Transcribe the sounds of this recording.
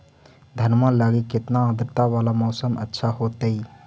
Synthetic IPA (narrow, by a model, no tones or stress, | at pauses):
d̪ʱənmãlaɡikːɪt̪naə̃d̪ɾt̪aʋaːlamɔːsəmʔə̰tːʃʰaɦot̪əi